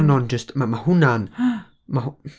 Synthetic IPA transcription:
nɔnd͡ʒəstmamahʊnan | ma

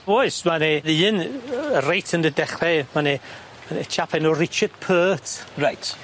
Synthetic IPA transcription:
bɔsmaneɨːnərejtʰəndədɛχlɛmane | manet͡ʃʰapʰɛnɔrɪt͡ʃəd̥̚pʰəːtʰrajtʰ

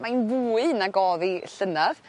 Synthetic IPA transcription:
mainvuːɨnaɡɔːðiɬənav̥

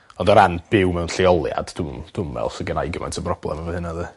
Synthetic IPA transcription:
ɔndɔɾanb̥ɪwmɛwnɬiɔlˠja̰d̥dʊmd̥ʊmːɛ̰lˠsəɡənajɡəma̰ntʰəbrɔb̥lˠɛ̰mavəhɨnaðɨ

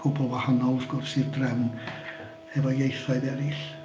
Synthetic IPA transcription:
kopoʋɑhɑnnɑuskossit̪ræhmun | eʋɑjɑisːɑiʋæliˑs

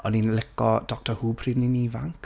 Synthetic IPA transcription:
ɔninlɪkɔd̥ɔk̚tʰɔhuːpʰrivninivaŋk

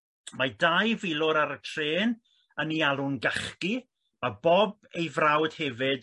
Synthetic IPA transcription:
madajvɪlˠʊɾaɾətʰreːn | ənialˠʊnɡaχki | mabɔb̚ | ejvrawd̥hɛvɨd̥

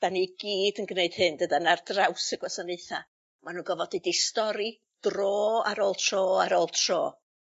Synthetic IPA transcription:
d̥aniɡiːdənɡneɨd̥hɨndədanardrawsəɡwasəneɨθa | manuːnɡɔvɔdidistɔɾi | d̥roːa̰ɾoːlˠtʰr̥oːaɾoːlˠtʰroː

